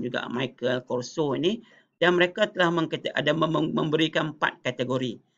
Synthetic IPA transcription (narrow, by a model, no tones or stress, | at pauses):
d͡ʒuɡa̰maikəlkɔrsoini | danməɾekat̪əlahmə̃ŋkt̪a̰damə̰̃mbəɾikanəpa̰t̪̚kat̪eɡoɾi